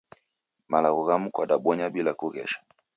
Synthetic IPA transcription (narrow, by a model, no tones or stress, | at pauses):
malaɣɔɣamukwaɗaɓɔɲaɓilakuɣɛ̰ʃḁ